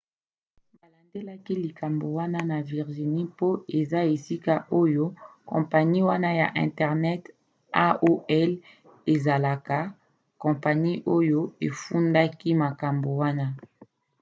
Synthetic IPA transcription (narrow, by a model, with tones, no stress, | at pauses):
ba˨la˨nde˦la˦ki˦li˨ka˨mbo˨wa˦na˦na˨vi˨ʁʒi˨ni˦po˦e˨za˦e˨si˦ka˦ʔo˦jo˦kɔ̰̃˨pa˨ɲi˦wa˦na˦ja̰˨ʔɛ̰̃˨ntɛ˨ʁnɛ˦t | a˦o˦ɛ˦l | e˨za˨la˨ka˨ | kɔ̃˨pa˨ni˦ʔo˦jo˦e˨fu˦nda˦ki˦ma˨ka˨mbo˨wa˦na˦